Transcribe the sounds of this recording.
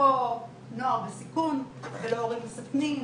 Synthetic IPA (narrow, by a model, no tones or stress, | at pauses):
o | noaʁbesikun | veloːʁimlesakni